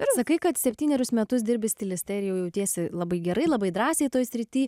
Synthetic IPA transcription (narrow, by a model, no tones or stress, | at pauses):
ɪɾssɐkɐɪkɐt̪sʲɛpʲtʲiːnʲɛɾʲʊsmʲɛt̪ʊsd̪ʲɪɾʲbʲɪsʲt̪ʲɪlʲɪst̪ʲɛɪɾjɛʊjɛʊt̪ʲiɛsʲɪlˠɐbɐɪɡʲɛɾɐɪlˠɐbɐɪd̪ɾɑːsʲɛɪt̪oːjsʲɾʲɪt̪ʲiː